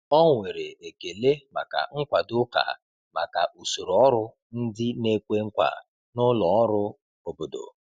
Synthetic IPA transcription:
ɔ˦ŋʷe˨ɾe˨e˨ke˨le˦ma̰˨ka̰˨ŋ̩˦kʷa˨dʊ˦ka̰˨ | ma˨ka˨ʔu˨so˨ɾo˨ɔ˦ɾʊ˦ | n̩˦dɪ˦ne˦kʷe˦ŋ̩˦kʷa̰˨ | nʊ˦lɔ˨ɔ˦ɾʊ˦ | o˨bo˨do̰˨

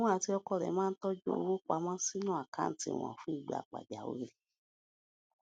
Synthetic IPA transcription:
ɔ̃˦a˨ti˧˦ɔ˧kɔ˧ɾɛ̰˨mãː˦n̩˦tɔ˦d͡ʒo˦o˨˦wo˦k͡pa˧mã˦si˦nũ˦a˨ka̰˦n̩˦tḭ˨w̃ɔ̰̃˨fũ˦i˦˨ɡ͡ba̰˨k͡pa̰˨d͡ʒa˨wḛ˨˦ɾi˨

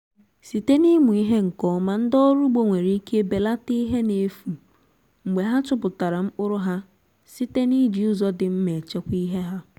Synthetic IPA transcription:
si˨te˦ni˦mu˨i˦ɦe˦ŋ̩˨kɔ˨˦ma˦n̩˦dɔ˦ɾu˦ɡ͡bo˦ŋʷe˨ɾi˦kʰe˦be˨la˦ti˦ɦe˦ne˨fu˨ | ŋ͡m̩˨ɡ͡be˨ɦa˦t͡ʃʊ˦pʊ˨ta˨ɾa˨m̩˦k͡pʊ˦ɾʊ˦ɦa˦ | si˦te˦ni˦d͡ʒi˨ʊ˦zɔ˦dɪ˨m̩˦me˨t͡ʃe˦kʷi˦ɦe˦ɦa˦

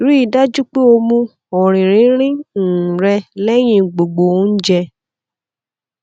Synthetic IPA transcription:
ɾi˦i˦˨da˦d͡ʒu˦k͡pe˦o˧mũ˧ | ɔ˨ɾ̃ĩ˨ɾ̃ĩ˨˦ɾ̃ĩ˦˨ɾɛ˧lɛ˦j̃ĩ˧˨ɡ͡bo˨ɡ͡bo˨˦n̩˦d͡ʒɛ˧

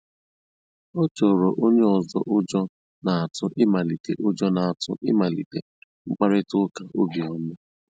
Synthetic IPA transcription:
ɔ˦t͡ʃo˨ɾo˨ʔo˦ɲe˦ɔ˨zɔ̰˦ʔʊ˦d͡ʒɔ˦ | na˨a˨tʊ˦ʔɪ˦ma˨li˨te˨ʔʊ˦d͡ʒɔ˦na˨a˨tʊ̰˦ʔɪ˦ma˨lḭ˨te˨ | ŋ͡m̩˦k͡pa˦ɾɪ˦tʊ˦ka˨ʔo˦bi˨ɔ˦e˦

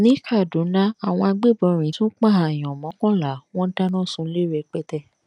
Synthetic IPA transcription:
nĩ˨˦kʰa˦˨dũ˨˦nã˦a˨w̃ɔ̃˧a˧ɡ͡be˦˨bɔ̃˧˨ɾ̃ĩ˨˦tũ˦k͡pã˦˨a˨j̃ɔ̃˨mɔ̃˨˦kɔ̃˦la˨˦w̃ɔ̃˦n̩˦da˦nã˦˨sũ˧˦le˦ɾɛ˧˨k͡pɛ˦tɛ˦˨

